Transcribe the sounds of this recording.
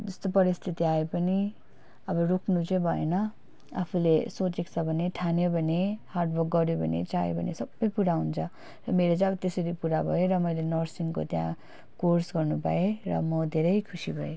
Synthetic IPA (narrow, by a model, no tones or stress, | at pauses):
d͡zʌst̪opʌɾist̪ʰit̪iaepʌni | ʌbʌrukʰnut͡sʌbʱʌḛnʌ | a̰pʰulesot͡sekt͡sʰʌbʱʌneʈʰanjobʱʌneharɖbʱʌk̚ɡʌɾjobʱʌnḛt͡sajḛbʱʌ̰nesʌbːʌjpuɾaɦunt͡sʰʌ | rʌmeɾot͡sãʌbʌt̪esʌɾipuɾabʱʌjeɾʌmʌjlenʌrsiŋko̰t̪jã̰ | korsɡʌrnupa̰erʌ̰mʌd̪ʱeɾʌjkʰusibʱʌje